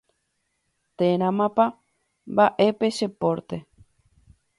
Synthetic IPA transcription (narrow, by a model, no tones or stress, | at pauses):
t̪eɾ̃ãmãpa | mbaʔepeʃepoɾt̪e